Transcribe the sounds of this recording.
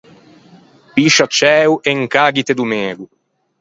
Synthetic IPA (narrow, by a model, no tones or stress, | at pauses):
piʃat͡ʃɛːuʔeŋkaːɡit̪ed̪umɛːɡu